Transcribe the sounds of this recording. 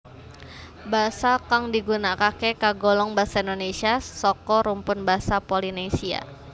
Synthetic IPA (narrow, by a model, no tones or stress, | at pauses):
basakaŋdiɡunakakekaɡɔlɔŋbasaindonesiasɔkɔɾumpʊnbasapolinesia̰